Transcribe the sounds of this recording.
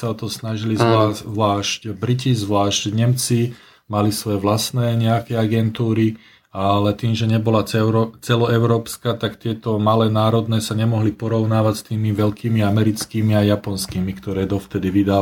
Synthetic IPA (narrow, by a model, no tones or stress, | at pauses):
saɔt̪ɔsnaʒilizaʋlaːʃcbɾicizʋlaːʃcɲɛmt͡si | malisʋɔjɛʋlasnɛːɲɛakɛaɡɛnt̪uːɾi | alɛt̪iːmʒɛɲɛbɔlaɛʊɾt͡sɛlɔɛʊɾɔːpskat̪akt̪ɪɛt̪ɔmalɛːnaːɾɔd̪nɛːsaɲɛmɔɦlipɔɾɔʊnaːʋacst̪iːmiʋɛlkiːmiamɛɾit͡skiːmiajapɔnskiːmikt̪ɔɾɛːd̪ɔft̪ɛd̪iʋid̪a